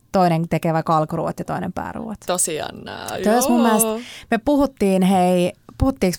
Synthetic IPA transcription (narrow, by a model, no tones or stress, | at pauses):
t̪oineŋt̪ekeʋækɑlkrṵːʋɑ̰t̪jɑt̪oinḛmpæ̰ːrṵːʋet̪t̪osiɑ̰nːæ̰ːt̪oismumːiælst̪mepuhut̪ːiːnheipuhut̪ːiːks